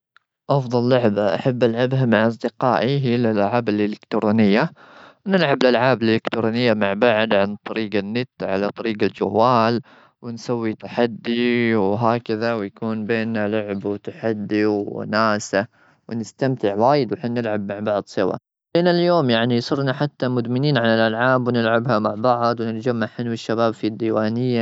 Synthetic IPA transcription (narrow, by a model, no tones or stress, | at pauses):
ʔɑfðˤɑlːʊʕbaʔa̰ħabːʔalʕabɦamaʕʔɑs̬ˤd̪ɪqaːʔiɦilɪlʔaʕaːbɪlʔɪlɪkt̪ɾoːnɪjːa | wnɪlʕabɪlʔalʕaːbɪlʔɪlɪkt̪ɾoːnɪjːamaʕbaʕd̪ʕant̪ˤɑɾiːɡanːɪt̪ʕa̰lat̪ˤɑɾiːɡald͡ʒa̰wːaːl | wɪnsawːit̪aħad̪ːiwɦaːkaðawjakuːnbeːnːalʊʕbwt̪aħad̪ːiwnaːsa | wɪnɪst̪amt̪ɪʕwaːjɪd̪wħɪnnɪlʕabmaʕbɑʕd̪ˤsˤɨwa̰ | ʔeːnaljoːmjaʕnisˤʊɾnaħat̪ːamʊd̪mɪniːnʕanɪlʔalʕaːbwnɪlʕabhamaʕbɑʕd̪ˤwnɪt̪d͡ʒamːaʕħanwɪʃːabaːbfid̪ːiːwaːnɪjːa